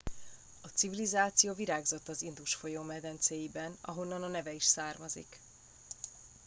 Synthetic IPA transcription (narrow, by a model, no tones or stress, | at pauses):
ɒt̪sivilizaːt̪sijoːviɾaːɡzo̞t̪ːɒzind̪uʃfo̞jomɛd̪ɛnt̪seːjibɛnɒ̰ɦo̞nːɒnɒnɛvɛiʃsaːrmɒzḭk